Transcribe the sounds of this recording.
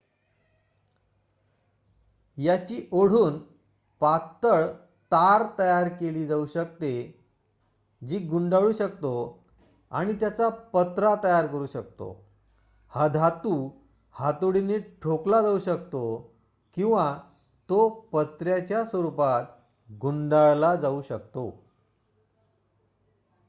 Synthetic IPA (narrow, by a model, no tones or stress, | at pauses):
jat͡ɕiːʔoɽ̤uːn | pat̪ːəɭ | t̪aɾt̪əjaɾkeliːd͡zauɕək̚t̪e | d͡ʑiːɡuɳɖaɭuːɕək̚t̪o | a̰ɽ̃it̪jat͡sapət̪ɾat̪əjaɾkəɾuːɕək̚t̪o̰ | had̪ʱat̪u | hat̪oɽineʈʰoklad͡zauːɕəkt̪o | kĩw̃ʋa | t̪opət̪ɾjat͡ɕjasʋəɾupat̪ | ɡuɳɖaɭlad͡zauːɕəkt̪o